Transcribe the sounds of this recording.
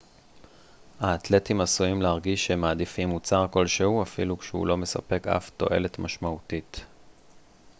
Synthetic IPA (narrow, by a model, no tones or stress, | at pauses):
haːtle̞timasuimlehaʁɡiʃemaːd̪ifimːut͡saʁko̞lʃehuafilukʃeṵlo̞me̞sa̰pe̞ka̰fto̞̰ʔe̞̰le̞tmaʃmautit